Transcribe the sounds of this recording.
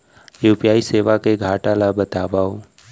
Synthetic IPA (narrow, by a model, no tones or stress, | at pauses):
juːpijaːiseːʋakeɡʱaːʈaːlabət̪aːʋaːo